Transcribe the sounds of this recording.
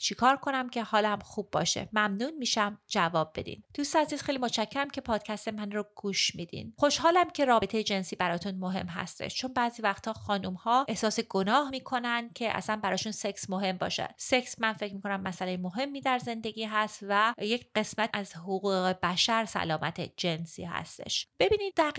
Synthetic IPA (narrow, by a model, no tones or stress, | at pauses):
t͡ʃʰikʰɒːɾkʰo̞næmcʰe̞hɒːlæmxuːbːɒ̰ːʃḛmæmnuːnmiːʃæmd͡ʒævɒːb̚be̞̰d̪ḭnd̪̥ust̪ːziːz̥xejlimot͡ʃʰæcʰːeɾæmcʰe̞pʰɒːd̪cʰæst̪emænroɡ̥uːʃmiːd̪ḭnxo̞ʃɦɒːlæmcʰe̞ɾɒːbe̞t̪ʰe̞jed͡ʒe̞nsiːbæɾɒːt̪ʰunmoɦe̞̰mɦæ̰st̪e̞̰ʃt͡ʃʰo̞nbæːziːvæxt̪ʰɒːxɒːnumhɒːʔehsɒːseɡo̞nɒːhmiːkʰo̞nænd̪̥̚cʰe̞ʔæ̰sænbæɾɒːʃunse̞ksmoɦe̞mbɒ̰ːʃæ̰d̪se̞ksmænfe̞cʰmiːkʰo̞næmːæsælejemo̞ɦe̞mːiːd̪æɾze̞nd̪e̞ɟiːɦæst̪væjecʰɢe̞smæt̪æzhoɣuːɣɣe̞bæʃæɾsæ̰lɒːmʔæ̰t̪ʰed͡ʒe̞nsḭːhæ̰st̪ḛʃb̥e̞biːnid̪d̪æ